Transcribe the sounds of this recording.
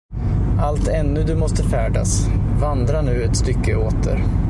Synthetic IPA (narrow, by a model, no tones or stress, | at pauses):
ʔalt̪ɛnːɵd̪ɵmɔst̪əfæːɖa̰svand̪ɾaɳʉ̟ːɛt̪st̪ʏkʰːəoːt̪ʰə̰ɾ